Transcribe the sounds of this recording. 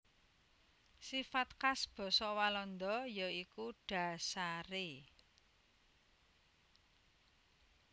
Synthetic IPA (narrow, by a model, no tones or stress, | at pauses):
sifat̪̚kasb̥ɔ̤sɔwalɔnd̪ɔjɔikuɖ̥a̤saɾe